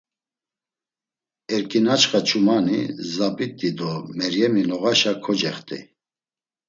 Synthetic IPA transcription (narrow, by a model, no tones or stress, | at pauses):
ɛɾkʼinat͡ʃχat͡ʃʰumanḭzapʼit̪ʼːid̪ɔmɛɾjɛminɔɣaʃakʰɔd͡ʒɛχt̪ʼḭ